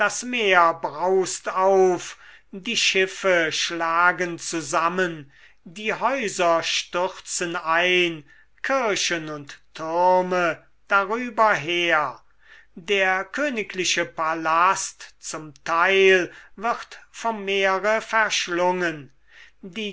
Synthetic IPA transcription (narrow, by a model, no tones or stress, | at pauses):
d̥asmeːɐbʁaʊstaʊfdiːʃɪfəʃlaːɡənt͡suzamən | diːhɔʏzɐʃtʏʁt͡sənaɪn | kʰɪɐʃənʊnttʰːʊʁmə | d̥aʁyːbɐɦeːɐ | deːɐkʰøːnɪkʰlɪʃəpalastt͡sʊmtʰaɪlvɪʁtfɔmːeːʁəfɛɐʃlʊŋən | diː